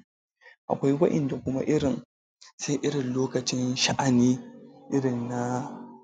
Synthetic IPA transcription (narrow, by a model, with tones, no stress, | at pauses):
ʔa̰˨kʷa˦jwɐ˦ʔɪ̰˨nda˨kʷʊ˦ma̰˦ʔɪ˦ɽɪ˨n | se˦ʔɪ˦ɽɪ˨nloː˦kɐ˨t͡ʃɪ˦nʃa˦ʔa˨niː˦ʔɪ˦ɽɪ˨nːa˦